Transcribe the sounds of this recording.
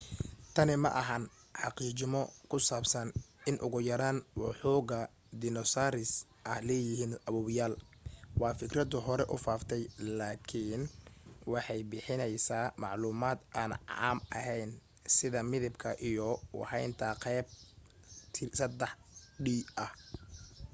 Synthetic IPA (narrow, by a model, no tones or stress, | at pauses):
t̪ʰɐnɪmɐ̰ʔɐɦɐn | ħɑqiːt͡ʃɪmɔkʰʊsaːbsɐnɪnʔʊɣʊjɐɾaːnwɑħuːɣɐ | d̪ɪnɔsaːɾɪs | ʔɐhlɛːjɪɦiːnɐβuːβjaːl | wɑːfɪkrɐd̪ʊɦɔɾɛʔʊfaːft̪ʰɛjlaːkʰɪːnwɑħɑjbɪħɪnɛjsaːmɑʕluːmaːd̪ʔaːnʕɑ̰ːmʔɐɦɛjn | sɪðɐmɪðɐbkʰɐʔijɔw̰hɛjnt̪ʰɐqɛːb̚ | t̪ʰɪsɐd̪ɛħɖiːɐh